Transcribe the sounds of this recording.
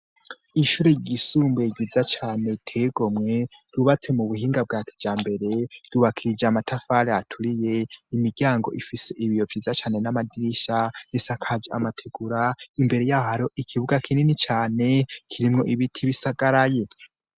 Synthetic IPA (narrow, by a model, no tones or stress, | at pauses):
iʃuːɾeɟisuːmbeɟizat͡ʃaːne̞tʰeːɡo̞mŋe̞ | ɾuβat͡se̞muβuhiːŋɡab̚ɡaːkʰi̥d͡ʒaːmbe̞ɾe̞d̥uβakʰiɾid͡ʒaːmatʰafaɾeatʰuɾije̞imiɡɟjaːŋɡo̞ʔifise̞ʔiβijo̞vjiːzat͡ʃaːne̞namadiʃanisakʰad͡ʒeamatʰeɡ̥uɾaimbe̞ɾe̞jahaɾo̞ʔikʰiβuɡakʰininit͡ʃaːne̞kʰiɾimŋo̞ʔiβitʰiβisaɡaɾaje